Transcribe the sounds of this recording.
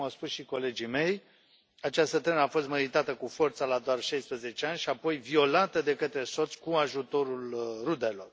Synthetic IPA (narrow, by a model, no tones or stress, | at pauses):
awspusʃiko̞le̞d͡ʒime̞j | at͡ʃast̪ət̪ɾenəafo̞st̪meɾit̪at̪əkufo̞rt̪salad̪oarʃajspɾəze̞t͡ʃe̞anʲʃiapo̞jvio̞lat̪əd̪e̞kət̪ɾe̞so̞t̪sʲkuaʒut̪o̞ɾulrud̪e̞lo̞r